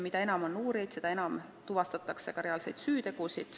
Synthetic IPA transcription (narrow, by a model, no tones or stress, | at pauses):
mid̪ɑe̞nɑmo̞nːuːɾejd̪̥se̞d̪̥ɑe̞nɑmt̪uvɑst̪ɑt̪ːˑɑkse̞kɑɾe̞ɑlse̞jd̪̥syːt̪e̞ɡ̥usid̪̥